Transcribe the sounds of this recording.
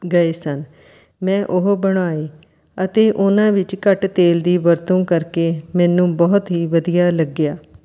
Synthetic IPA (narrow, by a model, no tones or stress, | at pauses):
ɡəeːsən | mɛ̃ːʔʊɦbəɽ̃aːeː | ət̪eːʔʊnãːʋɪt͡ʃkəʈt̪eːld̪iːʋəɾt̪õːkəɾkeːmɛ̃ːnũːbɔːt̪ɦiːʋəd̪ijaːləɡɪjaː